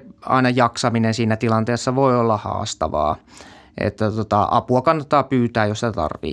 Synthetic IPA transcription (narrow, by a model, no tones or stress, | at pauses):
ɑ̰inɑjɑksɑminensiːnæt̪ilɑnt̪eːsːɑʋoiolːɑhɑ̰ːst̪ɑ̰ʋɑ̰ː | ʔḛt̪ːæt̪ot̪ɑʔɑ̰puɑkɑnːɑt̪ːɑːpyːt̪æːjjostet̪ɑ̰rʋḭː